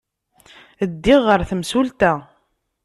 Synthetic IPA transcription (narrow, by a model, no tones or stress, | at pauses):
əd̪ːiʁːəɾθəmsult̪æ